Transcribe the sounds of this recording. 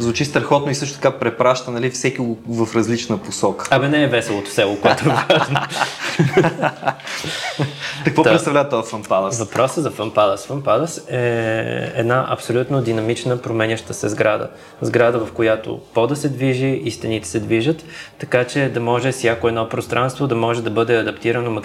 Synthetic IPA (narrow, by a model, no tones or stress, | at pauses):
zvʊt͡ʃist̪ɾɐxɔt̪noisɤʃt̪o̥t̪ɐkapɾɛpɾaʃt̪ənɐlifsɛkiɡovɐfɾɐzlit͡ʃnəposɔkə̥ɐmɛnɛːvɛsɛlˠot̪ʊ̥sɛlˠokoɛt̪ʊɛvaʒʒno | t̪ɐkvɔɾɛt̪st̪ɐvlʲavət̪ɔfəmpad̪əvɐpɾɔsəzɐfəmpad̪əsfəmpad̪əsɛ̰ | ɛ̰d̪naʔɐ̰psolʲut̪nod̪inɐmit͡ʃnəpɾomɛnʲəʃt̪əsɛzɡɾad̪ə̰ | zɡɾad̪əvɐfkojat̪o̰pɔd̪ɐsɛd̪viʒiist̪ɛnit̪ɛ̥sɛd̪viʒət̪ːɐkat͡ʃɛd̪ɐmɔʒɛsjakoɛd̪nɔpɾost̪ɾʔanst̪vod̪ɐmɔʒɛd̪ɐbɤd̪ɛɐd̪ɐpt̪iɾənomɐ